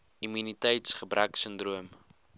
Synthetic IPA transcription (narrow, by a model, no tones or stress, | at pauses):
imynitɛjtsχəbrʔæksəndruəm